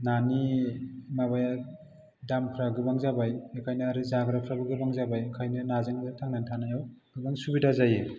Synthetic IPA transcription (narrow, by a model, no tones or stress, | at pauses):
nani | mabaja | dampʰɾaɡɯbaŋzabajekʰajnɯaɾɯzaɡɾapʰɾabɯɡɯbaŋzabajkʰajnɯnazɯŋzɯtʰaŋnantʰanajaw | ɡ̥ɯbaŋsubidazaje